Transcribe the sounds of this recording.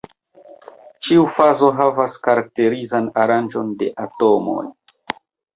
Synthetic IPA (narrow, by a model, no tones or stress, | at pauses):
t͡ʃiufazo̞ɦavaskaɾak̚te̞ɾizanaɾand͡ʒo̞nde̞ʔato̞mo̞̰j